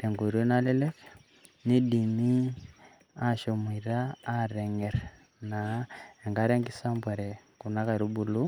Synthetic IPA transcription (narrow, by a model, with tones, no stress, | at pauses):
ɾe˨ŋɡo˨ɾo˦na˦le˦le˦k | ni˦di˨mi˦ | a˦ʃo˨m˨i˨ɾaː˦ɾe˨ŋe˨ɾ | na˨e˨ŋɡa˦ɾe˦ŋɡi˦sa˦mbwa˨ɾe˨ku˨na˦ka˨ɾu˦bu˨lu˦